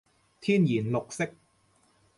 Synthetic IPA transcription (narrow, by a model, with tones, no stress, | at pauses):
t̪ʰiː˥njiː˨˩nlo˨k̚sɪ˥k̚